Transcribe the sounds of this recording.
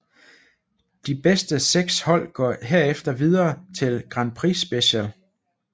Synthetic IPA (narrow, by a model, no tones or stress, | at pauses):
d̥ib̥esd̥əseɡ̥shɒ̽l̰ɡ̥ɒ̰ɦe̝ɐ̰efd̥ɐʋið̞ˠɐːt͡sʰe̝lɡ̥ʁɑ̈npʰʁḭsːb̥eɕæl